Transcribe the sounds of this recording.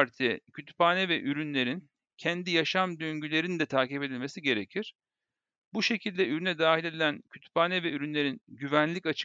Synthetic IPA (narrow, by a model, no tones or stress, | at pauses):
ɾt̪ʰicʰyt̪ʰy̥paːnɛvɛʔyɾynlʲe̞ɾin | cʰɛnd̪ijaʃamd̪øɲɟylʲe̞ɾind̪ɛt̪ʰaːcipe̞d̪ilʲme̞siɟe̞ɾecʰiɾ̥ | buʃe̞cʰilʲd̪ɛyɾynɛd̪aːɦilʲe̞d̪ilʲæncʰyt̪ʰy̥paːnɛvɛyɾynlʲe̞ɾinɟyvænlʲicat͡ʃʰ